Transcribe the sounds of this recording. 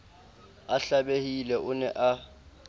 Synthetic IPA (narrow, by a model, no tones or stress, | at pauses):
aɬaɓehilɛʊnɛʔa